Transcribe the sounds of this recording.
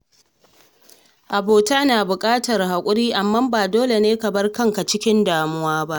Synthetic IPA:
ʔa˨boː˨taː˦naː˨bʊ˨kʼaː˦tɐ˨rɦa˨kʷʼʊ˦ɽiː˦ʔa˨mːa˦mbaː˨doː˦le˨neː˦kɐ˨bɐ˦rkɐ˦ŋka˨t͡ʃɪ˦kʲɪ˦ndaː˨mʊ˦waː˦ba˦ʔ

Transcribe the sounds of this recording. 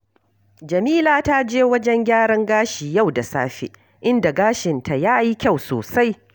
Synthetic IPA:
d͡ʒɐ˨miː˦laː˨ta˦d͡ʒeː˦wɐ˦d͡ʒɛ˦ŋɡʲaː˦ɽɐ˦ŋɡaː˦ʃi˨ja˦˨wda˨sa̰ː˦ɸḛ˨ | ʔɪ˦nda˨ɡaː˦ʃɪ˨ntʰa˨jaː˦ji˦kʲa˦˨wsoː˨sa˦j

